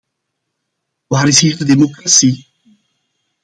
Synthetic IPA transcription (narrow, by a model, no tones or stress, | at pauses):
waɾisiɾd̪əd̪emokɾasi